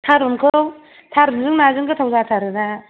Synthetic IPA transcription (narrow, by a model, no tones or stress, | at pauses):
tʰaɾunkʰɯw | tʰaɾunzɯŋnazɯŋkʰɯtʰawzatʰaɾɯna